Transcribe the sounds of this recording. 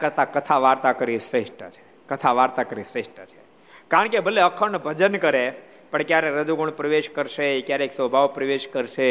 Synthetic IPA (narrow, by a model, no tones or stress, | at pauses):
kəɾt̪akət̪ʰaʋaɾt̪akəɾisɾeʂʈət͡ʃʰe̥ | kət̪ʰaʋaɾt̪akəɾisɾesʈət͡ʃʰe̥ | kaɾəɳ̃kebʱəleəkʰəɳbʱəd͡ʒənkəɾe | pəɳkjaɾeɾəd͡ʒuɡuɳpɾəʋeʃkəɾʃeikjaɾeksɔbʱaʋpɾəʋeʃkəɾʃe